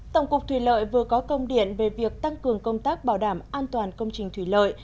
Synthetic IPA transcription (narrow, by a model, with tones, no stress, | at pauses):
t̪ə˧˩wŋ͡mkʊ˨˩k͡p̚t̪ʰwi˧˩lə̰ː˧˨jvɨ˨˩əkɔ˨˦kə˧wŋ͡mɗḭ˧˨ənve˨˩vi˨˩ək̚t̪a˧ŋkɨ˨˩əŋkə˧wŋ͡mt̪aː˦˥k̚ɓaː˧˩wɗaː˧˩mʔaː˧nt̪waː˨˩nkə˧wŋ͡mt͡ɕï˨˩ŋ̟t̪ʰwi˧˩lə̰ː˧˨j